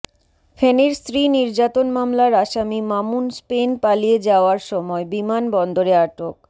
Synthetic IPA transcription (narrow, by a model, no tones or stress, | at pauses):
feneɾst̪ɾiniɾd͡ʑat̪onmamlaɾaʃamimamunspenpalied͡ʑaoaɾʃɔmɔebimanbɔnd̪oɾeaʈok̚